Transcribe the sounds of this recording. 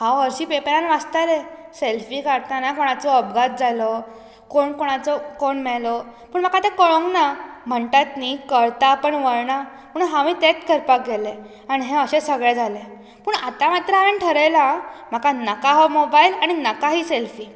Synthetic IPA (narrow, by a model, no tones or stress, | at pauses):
hãəɾɕiːpepeɾanʋast̪aɾeselfiːkəɾt̪anakoɽ̃at͡sɔəbɡat̪̚d͡zʱalɔ | koɳkoɽ̃at͡sɔkoɳmɛɭlɔpəɳm̤akat̪ekəɭoŋɡnam̤əɳt̪at̪nikəɾt̪aːpəɳʋəɾɳa | pəːɳɦãmiːt̪et̪kʰəɾpak̚ɡele | aɽ̃iɦẽəɕesəɡɭɛd͡zʱale | pəɳat̪amat̪ɾəaʋəɳʈʰəɾəjlam̤akanəkaɦɔmobailaɽ̃inəkaɦiːselfiː